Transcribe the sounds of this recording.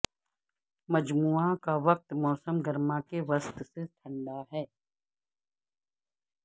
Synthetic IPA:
mɐd͡ʒmuːakaʋɐq̚t̪mɔːsəmɡəɾmakeʋɐst̪set̪ʰɐ̃ɳɖaɦɛː

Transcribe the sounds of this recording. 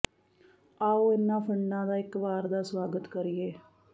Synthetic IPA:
aːoːɪnːãːpʰəɳɖãːd̪aːɪkʋaːɾd̪aːswaːɡət̪kəɾɪːeː

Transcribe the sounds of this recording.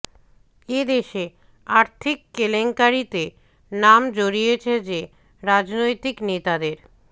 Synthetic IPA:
ed̪eʃe | aɾt̪ʰikːeleŋkaɾit̪e | namd͡ʑoɾijet͡ɕʰed͡ʑe | ɾad͡ʑnojt̪iknet̪ad̪eɾ

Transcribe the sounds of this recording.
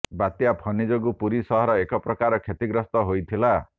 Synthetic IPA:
bat̪japʰʌnid͡zoɡupuɾisʌɦʌɾʌekʌprʌkaɾɔkʰet̪iɡɾʌst̪ʌɦojt̪ʰila

